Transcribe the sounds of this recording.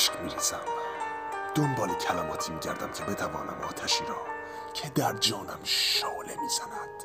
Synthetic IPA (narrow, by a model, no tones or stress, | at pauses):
ʃkmiːɾezæm | d̪̥ombɒːlicʰælæmɒːt̪ʰiːmiːɟæ̰ɾd̪æmcʰe̞be̞t̪ʰævɒ̰ːnæ̰mɒ̰ːt̪ʰæʃiːɾɒː | cʰed̪æɾd͡ʒɒːnæ̰mʃɒːlemiːz̥ænæd̪̥